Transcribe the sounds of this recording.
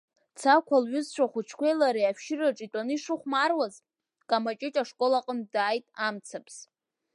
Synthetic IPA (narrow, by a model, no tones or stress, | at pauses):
t͡sʰakʷʰalɥʊzt͡ɕʷʰaχʷʊt͡ʃʰkʷʰejlaɾiapʃɪraʈ͡ʂʼitʼanɨiʂɨχʷmarwaz | kʼamat͡ʃʼɪt͡ʃʼaʂkʼo̞laqʼəndaːjtʼamt͡sʰapʰʼs